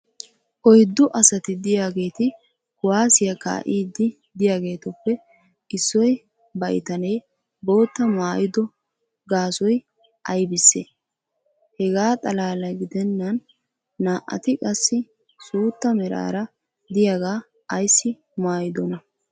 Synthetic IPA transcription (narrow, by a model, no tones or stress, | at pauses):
ʔɔjd̪ːʊʔɐsɐt̪ɪd̪ɪjaːɡe̞ːt̪ɪ | kʊwaːsɪjɐka̰ːʔiːd̪ɪ | d̪ɪjaːɡe̞ːt̪ɔpːɛ | ʔɪsːɔj | bɐʔɪ̰t̪ɐnɛj | bo̞ːt̪ːɐmaːjɪd̪ɔ | ɡaːsɔj | ʔɐjbɪsːḛː | hɛɡaːt̪ʼɐlaːlɐjɡɪd̪ɛnːɐnː | aːʔːɐ̰t̪ɪkʼɐsːɪ | suːt̪ːɐmɛɾa̰ːɾɐ | d̪ɪjaɡaː | ʔːjsːɪ | maːjɪd̪ɔnɐ